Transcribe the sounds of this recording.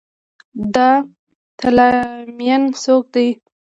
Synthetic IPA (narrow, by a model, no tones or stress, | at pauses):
d̪ɑ | t̪ʰalɑmijansok̚d̪aj